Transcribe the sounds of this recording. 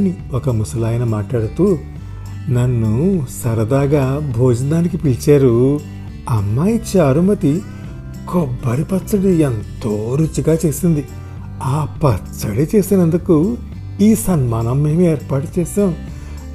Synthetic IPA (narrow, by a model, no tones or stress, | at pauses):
nːi | ɔkɐmusɐlaːjɐnɐmaːʈlaːɽut̪uː | nɐnːusɐɾɐd̪aːɡaːbʱoːd͡ʒɐnaːnikipilt͡ʃaːɾu | ɐmːaːjit͡ʃaːɾumɐt̪i | kɔbːɐɾipɐt͡sːɐɽient̪oːɾut͡ʃːiɡaːt͡ʃe̞ːsind̪i | aːpɐt͡ʃːɐɽit͡ʃe̞ːsinɐnd̪uku | iːsɐnmaːnɐmeːmeːɾpaːʈut͡ʃɛːsaːm